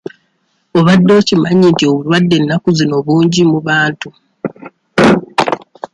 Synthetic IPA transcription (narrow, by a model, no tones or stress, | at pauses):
o̞βadːo̞ːcimaɲintio̞βulwadːe̞nːakuzino̞βuːɲɟimuβaːntu